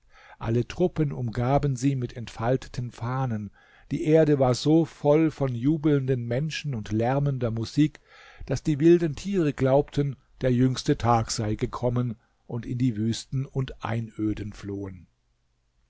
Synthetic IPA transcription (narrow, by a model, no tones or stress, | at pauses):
ʔalətʁ̥ʊpənʊmɡaːbənziːmɪtɛntfaltʰə̥tʰənfaːnən | d̥iːʔeːɐdəvaːɐzoːfɔlfɔnjuːbl̩ndənmɛnʃn̩ʊntlɛʁməndɐmuziːk | d̥asd̥iːvɪldn̩tʰiːʁəɡlaʊp̚tʰən | d̥eːɐjʏŋstətʰaːkz̥aɪɡəkʰɔmən | ʔʊntɪndiːvyːstn̩ʊntʔa̰ɪnʔøːdənfloːən